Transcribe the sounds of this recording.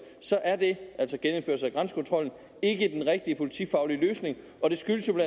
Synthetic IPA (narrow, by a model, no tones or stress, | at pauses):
sɒ̽ʔæɐd̥e̝ʔæl̰sɒɡ̥enəm̩fø̰ɐsɑæɡ̥ʁɑnsə̥kʰɔ̽nt͡sʰʁɒ̽l̰n̩ | e̝ɡ̥əd̥enʁɛɡ̥̚d̥iəpʰo̝lit͡sʰḭːfɑ̈ʊliløːsne̝ŋ | ɒ̽d̥e̝sɡ̥yləsjo̝blæ